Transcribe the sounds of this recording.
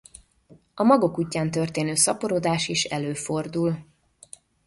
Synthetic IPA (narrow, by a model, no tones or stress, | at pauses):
ɒmɒɡo̞kuːcːaːnt̪ørt̪eːnøːsɒpoɾoːd̪aːʃiʃɛ̰løːfo̞rd̪ul